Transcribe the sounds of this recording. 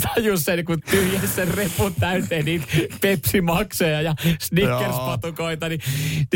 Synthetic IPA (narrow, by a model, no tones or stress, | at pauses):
t̪ʰɑjusːenkut̪yhjæssenrepːunt̪æyt̪eːnniːt̪pepsimɑksojɑjɑsnikkːerspɑt̪ukoit̪ɑnit̪